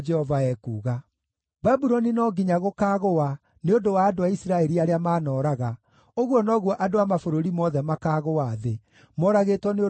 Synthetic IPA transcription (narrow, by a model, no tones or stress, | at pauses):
d͡ʒɛhɔvaɛkuːɣa | babuɾɔninɔɡiɲaɣokaːɣoa | neondowaːdoaisiɾaɛɾiaɾeamaːnɔːɾaɣa | oɣwɔnɔɣwɔʔadoamafoɾoɾimɔðɛmakaɣowaːðe | mɔɾaɣetwɔne